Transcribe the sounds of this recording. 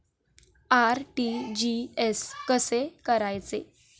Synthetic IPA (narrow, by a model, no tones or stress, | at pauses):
aɾʈid͡ʑieskəsekəɾajt͡se